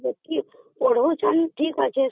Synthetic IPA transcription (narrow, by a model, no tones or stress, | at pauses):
eki | oɽ̤ot͡ʃʰanʈʰiːkat͡ʃʰe